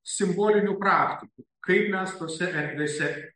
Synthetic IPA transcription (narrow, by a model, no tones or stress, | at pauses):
sʲɪmbolʲɪnʲupɾaːkt̪ʲɪkukʰɐɪpmʲæst̪osʲɛʔɛɾʲʋʲesʲɛ